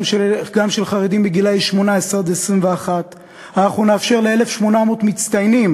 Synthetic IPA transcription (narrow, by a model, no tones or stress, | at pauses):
ʃeɡamʃelχaʁed̪imbeɡilajiʃmo̞naeseʁd̪eesʁimveaχat̪ | anaχnuneafʃe̞ʁleele̞fʃmo̞namot̪mit͡st̪ajnim